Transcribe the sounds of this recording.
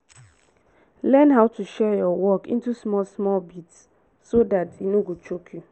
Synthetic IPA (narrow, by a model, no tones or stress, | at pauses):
lɛnɦaʊtuʃɛjɔwɔkḭ̃ntusmɔlsmɔlbitsː | odatinoɡot͡ʃokʰju